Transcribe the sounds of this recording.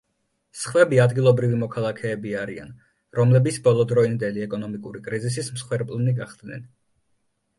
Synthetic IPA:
sχwɛbiad̪ɡilˠɔbɾivimɔkʰalˠakʰɛːbiaɾia̰n | ɾɔmlɛbit̪sbɔlˠɔd̪ɾɔind̪ɛliɛkʼɔnɔmikʼuɾikʼɾizis̬ismsχwɛɾpʼlˠniɡaχd̪̥nɛ̰n

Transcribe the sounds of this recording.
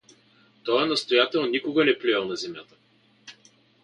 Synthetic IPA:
t̪ɔɛnɐst̪ojat̪ɛlˠnnikoɡɐnɛplijɐlˠnɐzɛmjat̪ə

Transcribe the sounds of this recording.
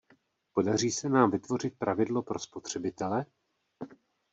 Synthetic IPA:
po̞dariːsɛnaːmvɪt̪vo̞r̝ɪt̪̚pɾavɪdlo̞pɾo̞spot̪r̝̥ɛbɪt̪ɛlɛ

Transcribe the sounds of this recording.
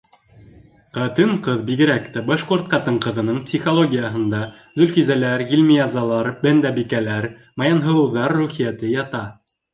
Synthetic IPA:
qɑt̪ɤɴqɤðbiɡɘ̆ɾækt̪æbɑʃquɾt̪̚qɑt̪ɤɴqɤ̆ðɤ̆nɤɴpsʲiχolˠoɡʲijəɦɤ̆nd̪ɑzɵ̆lfizælæɾɡilʲmʲiɑzɑlˠɑɾbænd̪æbikælæɾ | mɑjɑnɦɤ̆lˠɤ̆wðɑɾːʉχijæt̪ɘjɑt̪ɑ

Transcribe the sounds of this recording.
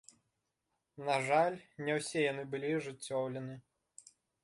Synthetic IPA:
naʐalʲnʲɛwsʲɛjanɨbɨlʲiʐɨt͡sʲːɔwlʲɛnɨ

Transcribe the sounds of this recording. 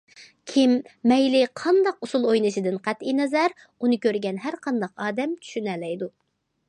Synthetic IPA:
kʲʰimːɛjlɪqʰɑnd̪ɑqusulˠojnɨʃid̪ɨnqʰæt̪inɛzæɾ | unɨkʲʰøɾɡʲɛnɦæɾqʰɑnd̪ɑqɑːd̪ɛmt͡ʃʰy̥ʃynɛlɛjd̪u

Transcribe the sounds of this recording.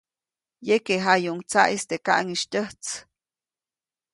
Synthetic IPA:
jekeɦajuŋt͡sa̰ʔist̪ekaʔŋiʃt̪ʲəht͡s

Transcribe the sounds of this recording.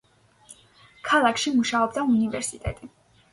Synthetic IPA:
kʰalˠakʰʃimuʃaɔbd̪aunivɛɾsit̪ʼɛ̰t̪ʼi

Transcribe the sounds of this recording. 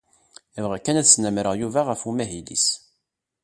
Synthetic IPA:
əvʁækːænæðsnæmɾəʁjuvaʁəfumæɦid̪ḭs

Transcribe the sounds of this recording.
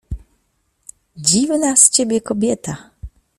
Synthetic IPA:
d͡ʑivnast͡ɕebʲjɛkɔbʲjɛt̪a

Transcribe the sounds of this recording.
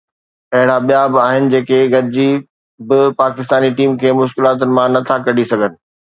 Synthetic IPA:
pɐɦɪɽabijabɪaːɦɪnɪ̆d͡ʑeːkeɡɐɾɪd͡ʑi | bɪpaːkɪst̪aːniʈiːmkʰeːmʊʃ̬kɪlaːt̪ʊnɪ̆mãnɐt̪ʰakɐɽisɐɡʱənɪ̆

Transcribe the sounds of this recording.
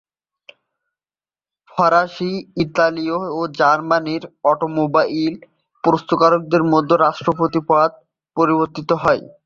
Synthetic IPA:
fʰɔɾaʃiit̪aliood͡ʑaɾmaniɾɔʈomobail | pɾost̪okaɾok̚d̪eɾmod̪ʱːoɾaʃʈɾopot̪ipad̪̚ | poɾiboɾt̪it̪oɦɔe

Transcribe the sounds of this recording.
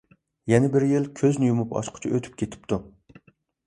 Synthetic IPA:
jɛnɪbɪɾjilˠkʲʰøznɪjumupɑ̰ʃqʰʊ̥t͡ʃʰiʔøt̪ʰy̥p̚kʲʰet̪ʰɪ̥p̚t̪u

